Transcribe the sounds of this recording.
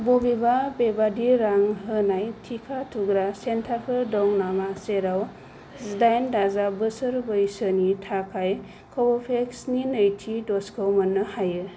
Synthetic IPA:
bobibabebadiɾaŋɦɯnajtʰikʰatʰuɡɾasentʰapʰɯɾdɔŋnamaseɾaw | zdajndazabɯsɯɾbɯjsənitʰakʰaj | kʰɔbɔpʰeksninəjtʰidɔskʰɯwmənːɯhajɯ

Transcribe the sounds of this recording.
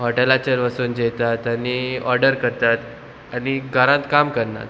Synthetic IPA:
ɦɔʈelat͡ɕəɾʋasuːnd͡ʑet̪at̪aniɔɾɖəɾkəɾt̪at̪ | aniɡʱaɾãt̪kamkəɾna̰t̪

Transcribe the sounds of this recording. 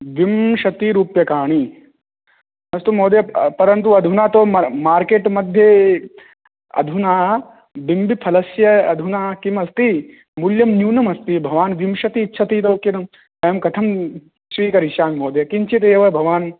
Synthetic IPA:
ʋimʃɐt̪iɾuːpjɐkaːɳ̃i | nɐst̪umoːd̪jɐpɐɾɐnt̪̬uɐd̪ʱunaːt̪omaːɾkeːʈmɐd̪ʱje | ɐ̰d̪ʱunaː | bimbipʰɐlɐsjɐɐd̪ʱunaːkimɐst̪i | muljɐmnjuːnɐmɐst̪ibʱɐʋaːnʋimʃɐt̪iːtːʃʰɐt̪it̪̬ɐkjɐnɐm | ɐjɐmkɐt̪ʰɐm | sʋiːkɐɾiʃaːŋmoːd̪jɐkint͡ʃʰit̪̬eːʋɐbʱɐʋaːn

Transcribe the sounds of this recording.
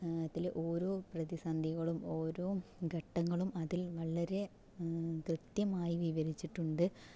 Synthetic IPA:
ɐt̪ːileʔo̞ːɾo̞ːprɐðisaːnd̪ʱiɣɐɭumo̞ːɾo̞ːɡʱɐʈːɐŋːɐɭumɐðilʋɐɭɐɾe̞ | krɨt̪jɐmaːjiʋiʋɐɾit͡ɕːiʈːuɳɖɨ

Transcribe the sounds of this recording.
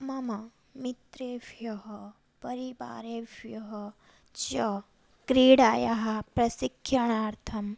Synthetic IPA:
mɐmɐ | mit̪ɾeːʋjɐɦɐ | pɐɾiba̰ːɾeːʋjɐɦɐ | t͡ʃɐ | kɾiːɽaːjaɦɐpɾɐsikʰːjɐɳ̃aːɾt̪ʰɐm

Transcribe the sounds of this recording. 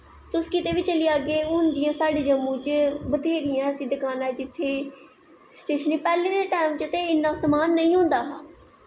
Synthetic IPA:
t̪ʊskɪt̪eːʋiːt͡ʃəliaːɡeːʊnd̪ɪjãːsaːɖiːd͡ʒəmːũːt͡ʃbət̪eːɾɪjãsɪd̪əkaːnɛːd͡ʒɪt̪ʰːeː | sʈeːʃəniːpɛːleːd̪eːʈaːmt͡ʃət̪eːɪnːaːsəmaːnːəĩːɦõːnd̪aːɦaː

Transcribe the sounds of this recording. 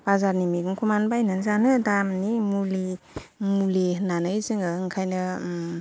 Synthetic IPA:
b̥azaɾnimiɡɯŋkʰumanbajnɯnzanɯdamnimuli | mulinanɯjzɯŋɯɯŋkʰajnɯ

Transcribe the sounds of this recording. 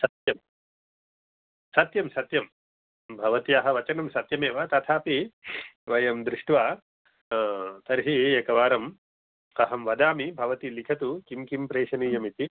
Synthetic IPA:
sɐt̪jɐm | sɐt̪jɐmsɐt̪jɐm | bʱɐʋɐt̪iɐɦɐ̆ʋɐt͡ʃɐnɐmsɐt̪jɐmeːʋɐt̪ɐt̪ʰaːpi | ʋɐjɐmd̪ɾuʂʈʋaː | t̪ɐɾɦieːkɐʋaːɾɐm | kɐɦɐmʋɐd̪aːmibʱɐʋɐt̪ilikʰɐt̪ukimkimpɾeːʃɐniːjɐmit̪i

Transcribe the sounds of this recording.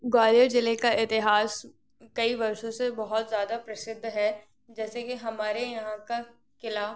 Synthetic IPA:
ɡaːləɾd͡ʒɪlekaʔɪt̪ɪɦaːs | kɐiʋɐɾʃõsebɐɦʊt̪zjaːd̪apɾɐsɪd̪ʱːɦɛ | d͡ʒɛːsekeɦɐmaːɾejɐɦãka | kɪlaː

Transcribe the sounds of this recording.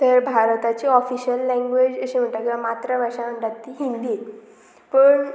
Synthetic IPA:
t̪əɾbʱaɾt̪at͡ɕiːɔfiɕəlːɛ̃ŋɡʋed͡ʑəɕem̤əɳʈakilamat̪ɾəʋəɾʂam̤əɳʈat̪ːiːɦind̪i | pəɳ

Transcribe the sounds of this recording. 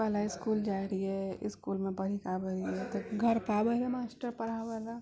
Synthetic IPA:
pəɦlaɪskuːld͡ʒaɾiɦɛɪ̰skuːlmẽpəɾikabəɾiɦɛt̪oɡʱəɾpabəɦlamaːsʈəɾpəɽ̤abəla

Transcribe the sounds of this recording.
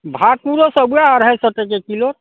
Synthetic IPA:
bʱapuɾosəbujaːɾɦəjsəʈekekiloɾ

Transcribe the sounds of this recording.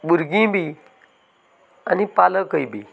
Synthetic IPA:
buɾɡĩbi | anipaləkəjbiː

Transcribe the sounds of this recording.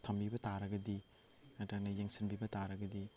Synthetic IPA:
tʰɐmbibɐtaɾɐɡɐdi | ɐdɐk̚nɐjeŋsinbibɐtaɾɐɡɐdi

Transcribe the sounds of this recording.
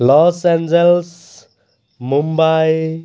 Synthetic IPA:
lɔːsɛ̃nd͡ʒels | mumbaj

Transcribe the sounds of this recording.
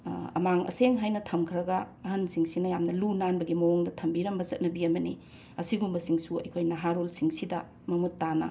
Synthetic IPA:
ɐ̰maŋɐ̰seŋɦajnɐtʰɐmkʰɾɐɡɐːɦɐnsiŋsinɐjamnɐlunanbɐɡimɐwoŋdɐtʰɐmbiɾɐmbɐzɐt̚nɐbiɐmɐnḭ | ɐsiɡumbɐsiŋsuɐ̰jkʰojnɐɦaɾolsiŋsidɐ | mɐmutːanɐ̰

